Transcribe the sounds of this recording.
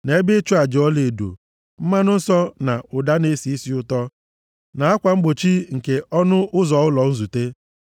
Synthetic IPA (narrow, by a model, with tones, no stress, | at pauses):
ne˨e˦bɪ˦t͡ʃʊ˦a˨d͡ʒɔ˦le˨do̰˨ | m̩˦ma˦nʊ˦n̩˦sɔ˦na˨ʊ˨da˦ne˦si˨i˦si˦ʊ˦tɔ˦ | na˨a˦kʷa˨ŋ͡m̩˦ɡ͡bo˨t͡ʃi˦ŋ̩˨ke˨ʔɔ˦nʊ˦ʔʊ˦zɔ˨ʊ˦lɔ˨n̩˦zu˨te˦